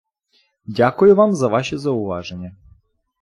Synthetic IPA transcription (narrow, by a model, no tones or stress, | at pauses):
dʲakʊjʊvamzɐvaʃəzɐʊva̰ʐənʲɪjə